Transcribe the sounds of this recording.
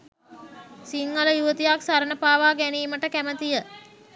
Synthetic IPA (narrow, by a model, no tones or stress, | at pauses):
siŋɡələjuʋət̪ijaksaɾənəpaːʋaːɡæniːməʈəkæmət̪ijə